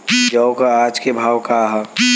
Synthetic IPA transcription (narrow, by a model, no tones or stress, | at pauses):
d͡ʒəʊkaaːd͡ʒkebʱaːwkaɦɐ